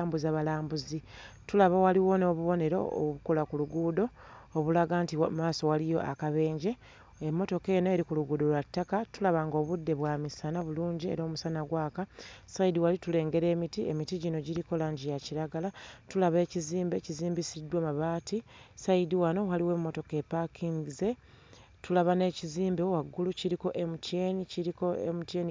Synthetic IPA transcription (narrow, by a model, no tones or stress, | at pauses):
mbuzaβalaːmbuzitulaβawaliwo̞no̞βuβo̞ne̞ɾo̰o̰βukolakuluɡuːdo̞ː | βulaɡantimaːso̞walijo̞̰ʔakaβe̞ːɲɟe̞ | emːo̞to̞ke̞ːno̞e̞ɾikuluɡuːdo̞lwatːakatulaβaŋɡo̞βudːe̞βwaːmisanaβuluːɲɟie̞̰ɾo̞ːmusanaɡwaːkasaidiwalitule̞ːŋɡe̞ɾe̞ːmitiemitiɟino̞ɟiɾiko̞laːɲɟijaciɾaɡalatulaβe̞ːciziːmbe̞ciziːmbisidːwamaβaːtisaidiwano̞waliwe̞mːo̞to̞ke̞pakʰiŋɡize̞ | tulaβane̞ːciziːmbewaɡːuluciɾiko̞ʔemutje̞ːniciɾiko̞ḛmutjeni